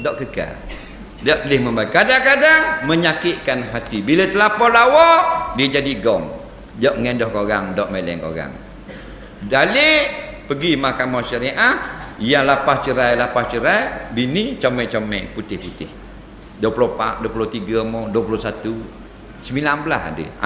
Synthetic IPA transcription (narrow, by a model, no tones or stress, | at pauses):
dɔʔkəka̰l | dɔʔəlɪhməmbaikadaŋkadaŋməɲakɪʔ̚kanɦat̪ibilət̪əlapɔlawɔdiəd͡ʒadiɡɔŋ | dɔʔŋendɔhkoɣaŋdɔʔmelɛ̰ŋko̰ɣa̰ŋ | dalepəɡimakamaʃaɾiʔahjaŋlapast͡ʃəɾajlapast͡ʃəɾajbinit͡ʃomɛt͡ʃomɛput̪ɪhput̪ɪh | duəpulopaʔduəpulot̪iɡamɔduəpulosat̪u | səmilanbəla̰sa̰də̰